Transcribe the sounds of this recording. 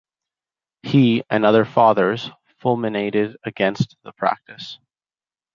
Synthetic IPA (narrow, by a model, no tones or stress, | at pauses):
hiɨ̃nʌðə˞fɑðə˞z̥ | fʊlˠmɨneɪɾɪɾɨɡɛ̃nst̪̚ðəpʰɹ̥æ̰k̚tɨs